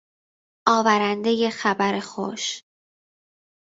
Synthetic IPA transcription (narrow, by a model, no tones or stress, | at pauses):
ʔɒːvæɾænd̪e̞je̞xæbæɾexo̰ʃ